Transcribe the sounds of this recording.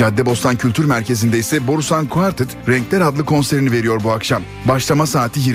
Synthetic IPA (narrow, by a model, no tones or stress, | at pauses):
ad̪ːɛbo̞st̪ʰancʰylʲt̪ʰyɾmæɾcʰe̞zind̪ɛisɛbo̞ɾusankʰuaɾt̪ʰɯt̪ɾɛɲclʲæɾad̪lˠɯkʰo̞nseɾinive̞ɾijo̞ɾbuakʃam | baʃlˠamasaːt̪ʰijiɾ